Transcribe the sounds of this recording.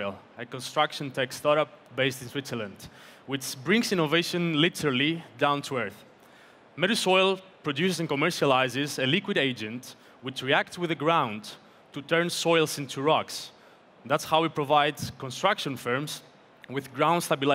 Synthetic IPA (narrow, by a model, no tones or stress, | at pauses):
lˠ | əkɔ̃nstɹakʃə̃ntʰɛkstɑɾap̚beɪstĩnswɪtsəlãndwɪt͡ʃbɹɪ̃ŋsĩnoveʃə̃nlitəɾalidãʊ̃ntʰuɛɹθ | mɛɾusojlˠpɹodjusɪsɛ̃nkomɛɹʃalaɪzɪzelikwɪɾeɪd͡ʒɛ̃nt | wɪt͡ʃɹiæk̚tswɪðəɡɹãʊ̃n | tut̪ɛɹnsɔjlˠsĩntʰuɹɔks | ðætshawipɹovaɪdzkɔ̃nst̪ɹakʃɔ̃nfɜɹmz | wɪðɡɹãʊ̃nd̥stabil